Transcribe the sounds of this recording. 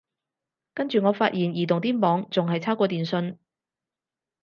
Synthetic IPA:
kɐ˥nt͡ʃyː˨ŋɔː˨˧faː˧t̚jiː˨˩njiː˨˩t̪ʊ˨˩ŋt̪̬iː˥mɔː˨˧ŋt͡sʊ˨ŋhɐ˨jt͡sʰaː˥kʷɔː˧t̪iː˨˩nsɵ˧n

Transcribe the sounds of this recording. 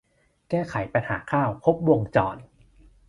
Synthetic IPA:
kɛː˥˩kʰa˩˦jpa˧nha̰ː˩˦kʰaː˥˩wkʰo˦˥p̚wo˧ŋt͡ɕɔ̰ː˨˩n

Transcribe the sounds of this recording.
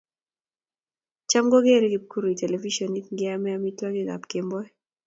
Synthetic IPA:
t͡ʃa˦mɡɔ˦ɡe˦ɾe˦ɡi˨p̚ku˦ɾo˨i˨tɛ˨lɛ˨vi˦ʃɔ˨ni˦ŋɡɪ˦a˦mɛ˦ami˦twa˦ɡɪ˦ɡa̰˨pke˨mbɔ˦ɛ˦

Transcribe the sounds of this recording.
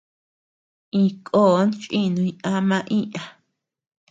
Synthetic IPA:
ĩ˧kʼoː˦˨˦nt͡ʃʼĩ˦nũ˧ĩ˧ʔã˧mã˧ʔĩ˦ʔã˧

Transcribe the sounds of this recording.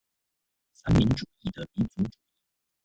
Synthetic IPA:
sa˥nmɛ˧˥nʈ͡ʂu˨˩i˥˩d̪ə˩pi˧˥nt͡su˧˥ʈ͡ʂu˨˩i˥˩

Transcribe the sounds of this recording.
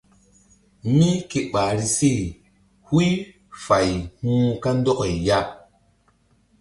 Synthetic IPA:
mi˦ke˨ɓa˨ɾi˧si˦˨ | hwi˦ | fa˨jhũː˦ka˦n˦dɔ˦ke˨ja˦˨

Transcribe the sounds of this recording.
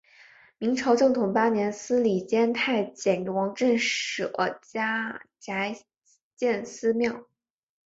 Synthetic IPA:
mi˧˥ŋʈ͡ʂʰɑ˧˥ʊʈ͡ʂɤ˥˩ŋt̪ʰʊ˨˩ŋpa˥njɛ˧˥nsɹ̩˥li˨˩t͡ɕjɛ˥nt̪ʰa˥˩ɪt͡ɕjɛ˨˩n˥wɑ˧˥ŋʈ͡ʂə˥˩nʂɻ̩˨˧˩ʔə̰˧˥t͡ɕja˥t͡ɕja˧˥ɪ | t͡ɕjɛ˥˩nsɹ̩˥mjɑ˥˩ʊ

